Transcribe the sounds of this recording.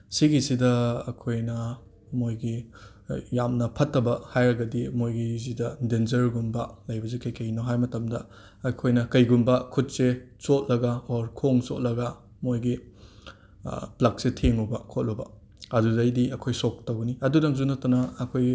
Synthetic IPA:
siɡisidɐɐkʰojnɐ | mojɡi | jamnɐpʰɐtːɐbɐhajɾɐɡɐdimojɡizidɐdenzɐɾɡumbɐlɐjbɐzekɐjkɐnoɦajmɐtɐmdɐ | ɐkʰojnɐkɐjɡumbɐkʰut̚set͡ʃot̚lɐɡɐoɾkʰoŋsot̚lɐɡɐ | mojɡi | plɐk̚setʰeŋubɐkʰot̚lubɐ̰ | ɐdudɐjdiɐkʰojsok̚tɐwɡɐniɐdudɐŋzunɐtɐnɐːkʰoj

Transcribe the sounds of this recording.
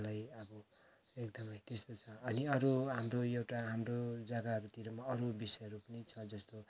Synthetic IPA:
lajʌbʌ | ekd̪ʌmʌjt̪est̪ot͡sʰʌːniʌɾuɦamroewʈaɦamrod͡zaɡaɦʌɾut̪iɾʌmaʌɾubisʌjɦʌɾupʌnit͡sʰʌd͡zʌst̪o

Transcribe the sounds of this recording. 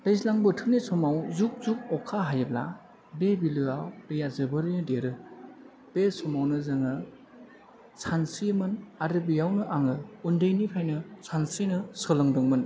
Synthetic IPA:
dɯjsilaŋbɯtʰɯnesɔmawzuk̚zuk̚ɔkʰːaɦajɯbla̰ | bebilɯawɾɯjazɯbɯɾɯnɯdeɾɯ | b̥esɔmawnɯzaŋɯ | sʰansijmɯnaɾɯbijawnɯʔaŋɯundɯjnipʰajnɯsʰansinɯsɔlɯŋdɯŋmɯn

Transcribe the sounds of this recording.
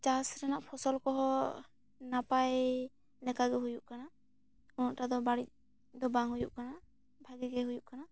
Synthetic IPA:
t͡ʃasɾɛnaʔpʰɔsɔlkɔɦɔ | napaj | lɛkaɡɛɦujuʔkana | kɔnɔʔʈad̪ɔbaɽic̚ | d̪ɔbaŋɦujuʔkana | bʱaɡɛɡɛɦujuʔkana

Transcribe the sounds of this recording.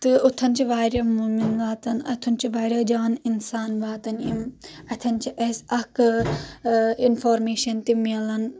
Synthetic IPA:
t̪ɨʊt̪ʰɐnt͡ʃʰiʋaːɾɐmuːminʋaːt̪ɐnɐ̰t̪ʰɐnt͡ʃʰiʋaːɾɐd͡ʒaːninsaːnʋaːt̪ɐnimɐt̪ʰɐnt͡ʃʰiʔesɐk | infoːɾmeːʃɐnt̪imilɐn

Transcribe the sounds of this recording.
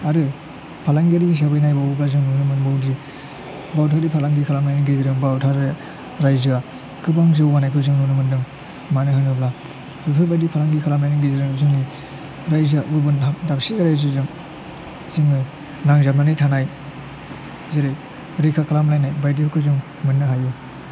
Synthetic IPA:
aɾɯ | pʰalaŋɡiaɾizabɯjnajbawɡazɯŋnunɯmɯnbawdi | bawtʰadipʰalaŋɡikʰalamlajniŋɡeziɾɯŋbawtʰaɾ | ɾajzɯa | kʰɯbaŋzɯwːanajkʰɯzɯŋnunɯmɯndɯŋ | manɯɦɯnɯbla | bupʰɯbajdipʰalaŋɡikʰalamlajniŋɡiziɾɯŋzɯŋi | ɾajzaʔubɯnʰadapsiɡaɾajzɯzɯŋ | ziŋɯ | naŋzap̚nanɯjtʰanaj | zeɾɯj | ɾikʰakʰalamlajnajbajdiɯkʰɯzɯŋ | mɯnːɯɦaju

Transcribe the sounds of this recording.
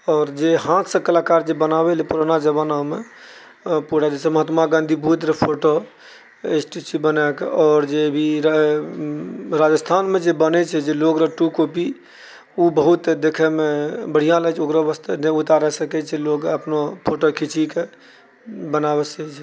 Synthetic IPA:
ɔːɾd͡ʒeɦãt̪ʰsə̃kəlakaɾd͡ʒebənabɛlipuɾanad͡ʒebəname | puɾad͡ʒeseməɦət̪maɡãnd̪ʱibɦut̪ɾepʰoʈo | esʈit͡ʃibənakɔːɾd͡ʒebʱiɾ | ɾad͡ʒəst̪ʰanmed͡ʒebənɛt͡ʃʰɛd͡ʒeloɡɾəʈukopi | ubəɦut̪d̪ekʰɛmebəɽ̤ijãlət͡ʃʰokɾabəst̪ʰeneut̪aɾɛsəkɛt͡ʃʰɛlokəpnopʰoʈokʰit͡ʃike | bənabɛsɛt͡ʃʰ

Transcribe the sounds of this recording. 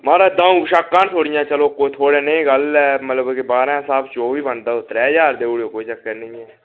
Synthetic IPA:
mãːɾãd̪ãːũːʃəkːaːnt̪ʰoːɽɪjãːt͡ʃəloːkoːit̪ʰoːɽeːnẽːɡəlɛːmət̪ləbkibaːɾãːsaːbt͡ʃoːʋiːbənd̪aːʊt̪ɾɛːd͡ʒaːɾd̪eːʊɽoːkoːit͡ʃəkːəɾnəĩːɛː

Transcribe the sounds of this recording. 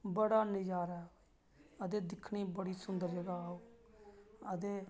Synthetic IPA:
bəɽaːnɪd͡ʒaːɾɛː | əd̪eːd̪ɪkʰɳiːbəɽiːsʊnd̪əɾd͡ʒəɡaːoː | əd̪eː

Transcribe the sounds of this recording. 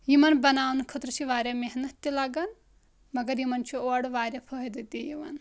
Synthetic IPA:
jimɐnbɐnaːwnukʰɐt̪ɾut͡ʃʰiʋaːɾʲjɐmeɦnɐt̪ːilaɡɐn | mɐɡɐɾjimɐnt͡ʃʰioɽʋaːɾʲjɐpʰɐɦid̪it̪ijiʋɐ̰n

